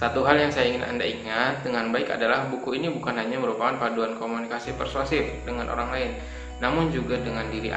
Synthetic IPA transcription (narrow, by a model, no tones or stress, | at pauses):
sat̪uɦaljaŋsajaiŋɪnʔa̰ndaiŋat̪̚dəŋanbaɪka̰dalahbukuinibukanɦaɲaməɾupakanpaduankomunikasipərsuasɪfdəŋanʔo̰ɾaŋlaɪnː | amʊnd͡ʒuɡadəŋandiɾḭʔa̰